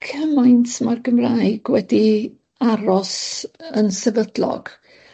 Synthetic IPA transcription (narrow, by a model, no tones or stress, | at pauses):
kʰəmajntʰmarɡəmraːɨɡ̥wɛdi | aɾɔsənsɛvədlɔ̰ɡ̥